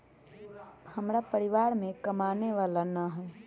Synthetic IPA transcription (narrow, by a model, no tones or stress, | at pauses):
həmɾapəɾiʋaɾmẽkəmaneʋalanəɦɛː